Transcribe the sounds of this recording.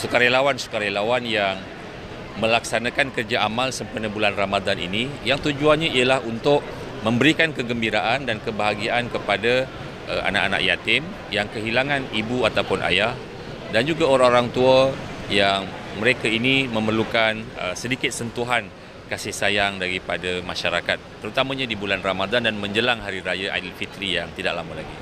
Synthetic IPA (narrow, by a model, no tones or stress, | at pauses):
sukaɾelawansu̥kaɾalawanjaŋ | mə̃laksanakankərd͡ʒaʔamalsəmpənəbulanramadanḭnijaŋt̪ud͡ʒuanɲaiəlahunt̪ʊʔ̚ | mə̃mbəɾikankəɡəmbiɾaʔandankəbəɦaɡiaʔankəpada | ʔə̰ʔa̰na̰ʔa̰na̰ʔja̰t̪ɪm | jaŋkəɦilaŋãnibuat̪awpʊnʔa̰jah | dand͡ʒuɡaoɾaŋoɾaŋt̪uəjaŋməɾekainimə̃mərlukanə̰sədikɪt̪̚sənt̪uɦan | kasɪhsajaŋdaɾipadamaʃaɾakat̪ːəɾut̪amãɲãdibulanramadandanmə̃ɲd͡ʒəlaŋɦaɾiɾajaʔa̰dəlfit̪ɾijaŋt̪idaʔlamala̰ɡḭ